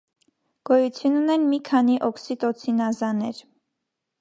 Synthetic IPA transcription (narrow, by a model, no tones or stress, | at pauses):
ɡ̥ɔjut͡sʰjununɛnmikʰɑniʔɔksit̪ɔt͡sʰinɑzɑnɛɾ